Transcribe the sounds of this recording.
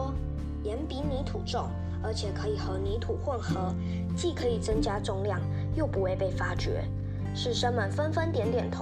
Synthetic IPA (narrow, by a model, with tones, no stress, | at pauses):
jɛ˧˥npi˧˥ni˧˥t̪ʰu˨˩ʈ͡ʂʊ˥˩ŋ | ə˞˧˥t͡ɕʰjɛ˨˩kʰɤ˧˥i˨˩xɤ˧˥ni˧˥t̪ʰu˨˩xwə˥˩nxɤ˧˥ | t͡ɕi˥˩kʰɤ˧˥i˨˩t͡sə˥ŋt͡ɕja˥ʈ͡ʂʊ˥˧ŋljɑ˥˩ŋ | jo˥˩ʊpu˨˥we˥˧ɪpe˥˩ɪfa˥t͡ɕɥɛ̰˧˥ | ʂɻ̩˥˩ʂə˥nmə˨˩nfə˥nfə˥nt̪jɛ˧˥nt̪jɛ˨˩nt̪ʰ